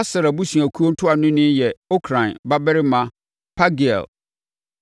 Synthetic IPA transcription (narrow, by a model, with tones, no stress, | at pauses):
a˦sɪ˨ɾa˨bu˦si˨æ˨kʰu˦o˦n̩˦tʰʊ˦a˨nʊ̃˦nɪ̃˦jɛ˨o˦kʰɾã˨nba˦bɛ˦ɾɪ˦mã˦ | pʰa˦ɡi˨ɛ̰˨l